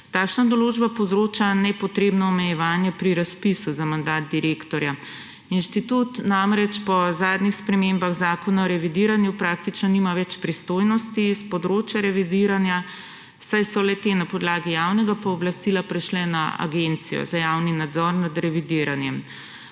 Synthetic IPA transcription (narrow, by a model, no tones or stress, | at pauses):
t̪akʃnad̪ɔloːd͡ʒbapɔwzɾoːt͡ʃanɛpɔt̪ɾeːbnɔɔmɛjɛʋaːnjɛpɾiɾaspisuzamand̪aːt̪̚d̪iɾeːkt̪ɔɾja | inʃt̪it̪ut̪namɾɛt͡ʃpɔzaːd̪nixspɾɛmembaɣzaːkɔnaɔɾɛʋid̪iːɾanjupɾakt̪it͡ʃnɔnimaʋɛt͡ʃpɾist̪oːjnɔst̪ispɔd̪ɾoːt͡ʃjaɾɛʋid̪iɾanja | sajsɔlɛt̪enapɔd̪laːɡijawnɛɡapaɔblast̪ilapɾɛʃlɛnaa̰ɡent̪sijɔ̰zajawninad̪zɔɾnad̪ɾɛʋid̪iːɾanjɛm